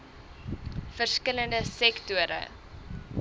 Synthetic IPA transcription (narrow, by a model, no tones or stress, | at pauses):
fərskələndəsɛktuəɾʔə̰